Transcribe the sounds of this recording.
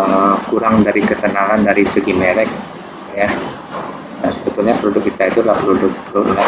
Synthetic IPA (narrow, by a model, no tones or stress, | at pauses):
əkuɾaŋdaɾikət̪ənaŋandaɾisəɡineɾɛk̚ | ja | asəbət̪ulɲapəludʊkːit̪ait̪ulahpəludʊk̚plunla